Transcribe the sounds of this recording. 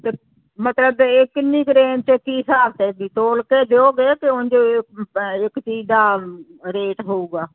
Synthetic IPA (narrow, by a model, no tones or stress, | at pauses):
t̪e | mət̪ləbɪkniːkɾeːnt͡ʃəkiːsaːbt̪eːbiːt̪oːlkeːd̪eːoːɡeːkɪʊnd͡ʒoː | ɪkt͡ʃiːd͡ʒd̪aː | ɾeːʈɦoːuːɡaː